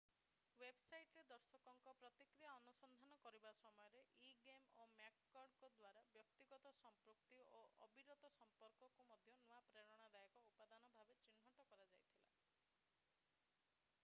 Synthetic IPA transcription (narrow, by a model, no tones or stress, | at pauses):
websajʈɾed̪ɔɾsɔkɔŋkɔpɾɔt̪ikɾijaɔnusɔnd̪ʱanɔkɔɾibasɔmɔjɔɾeʔiɡemomakːɔɖkɔd̪waɾabjɔk̚t̪iɡɔt̪ɔsɔmpɾukt̪ioʔɔbiɾɔt̪ɔsɔmpɔɾkɔkumɔd̪ʱjɔnuapɾeɽɔɽ̃ad̪ajɔkɔupad̪anɔbʱabet͡ʃin̤ːɦɔʈɔkɔɾad͡ʒajt̪ʰila̰